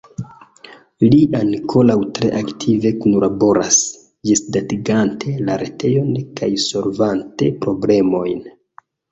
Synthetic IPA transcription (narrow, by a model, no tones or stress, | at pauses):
liankʰo̞lawtɾe̞̰ʔaktʰive̞kunlabo̞ɾas | d͡ʒesdatiɡantʰe̞laɾe̞tʰe̞jo̞nkajso̞lvante̞pɾo̞ble̞mo̞jn